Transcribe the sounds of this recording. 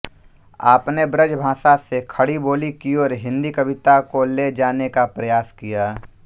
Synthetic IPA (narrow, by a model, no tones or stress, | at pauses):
a̰ːpnebɾəd͡ʒbʱãːsasekʰɐɽiboːlikiɔːɾɦɪ̃nd̪ikɐbɪt̪akoled͡ʒaːnekapɾɐjaːskijaː